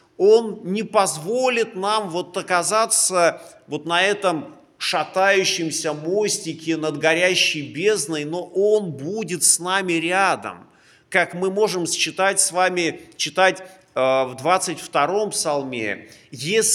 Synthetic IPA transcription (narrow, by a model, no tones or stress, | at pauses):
o̞nnʲɪpɐzvo̞lʲɪt̪namvo̞t̪əkɐzat̪səvo̞t̪nɐɛt̪əm | ʂɐt̪ajʉɕːɪmsʲəmosʲtʲɪkʲɪnəd̪ɡɐɾʲæɕːɪjbʲe̞znɨjno̞ʔo̞nbudʲɪt̪snamʲɪɾʲad̪ə̰m | kakmɨmo̞ʐɨmst͡ɕɪt̪atʲsvamʲɪt͡ɕɪt̪atʲ | vd̪vat̪sɨtʲft̪ɐɾo̞mpsɐlˠmʲḛjesʲ